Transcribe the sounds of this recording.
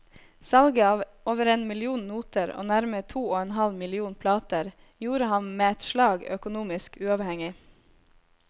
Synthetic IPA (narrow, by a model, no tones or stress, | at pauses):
sɑlɡəɑːʋ | oːʋəɾeːnmɪlɪuːnnuːt̪əɾo̰ːnæɾmət̪ʰuːoːɛnɦɑlmɪlɪuːnpʰlɑːt̪əɾ | juːɾəhɑnmeːɛt̪ʃlɑːɡœkʊnuːmɪskʉːɑʋhɛŋɪ